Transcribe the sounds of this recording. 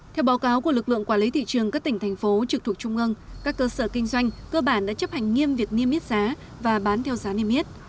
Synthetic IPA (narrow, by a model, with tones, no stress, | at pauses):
t̪ʰɛ˧wɓa˨˦wkaː˨˦wku˧˩əlɨ˨˩k̚lɨ̰˧˨əŋkwaː˧˩li˨˦t̪ʰḭ˧˨t͡ɕɨ˨˩əŋkaː˦˥k̚t̪ï˧˩ŋ̟t̪ʰjŋ̟fo˨˦t͡ɕɨ˨˩k̚t̪ʰək̚t͡ɕʊ˧ŋ͡mʔɨ˧ŋkaː˦˥kːəː˧səː˧˩kï˧ŋ̟zwa˧jŋ̟kəː˧ɓaː˧˩nɗa̰ː˧˥t͡ɕə˦˥p̚ha˨˩jŋ̟ŋi˧əmvi˨˩ək̚ni˧əmːi˦˥t̚z̥aː˨˦ | vaː˨˩ɓaː˨˦nt̪ʰɛ˧wzaː˨˦ni˧əmːi˦˥t̚